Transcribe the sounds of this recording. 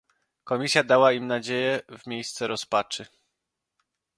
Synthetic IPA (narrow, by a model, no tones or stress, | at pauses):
kɔmʲisʲjad̪awaimnad͡ʑejɛvmʲjejst̪sɛɾɔspat͡ʂɘ